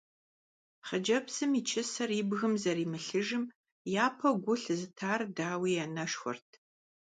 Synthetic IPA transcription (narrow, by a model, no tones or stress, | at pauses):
χəd͡ʒɐpsɨmit͡ʃʰɪsɐribɣɨmzɐɾiːmɨɬɨʒɨm | jaːpʰɐɡʷʊɬzɨtʰaːrdaːwiːjɛnɐʂxʷɔ̰rtʰ